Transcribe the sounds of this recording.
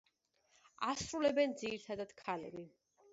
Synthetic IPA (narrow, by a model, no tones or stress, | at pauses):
asɾulɛbɛnd̪ziɾt̪ʰad̪ad̪̥kʰalɛ̰bi